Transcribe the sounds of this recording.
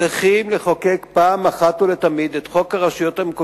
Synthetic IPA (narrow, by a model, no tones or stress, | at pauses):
eχimleχokekpaːmaχatulet̪amid̪et̪χo̞kaʁaʃujo̞t̪amko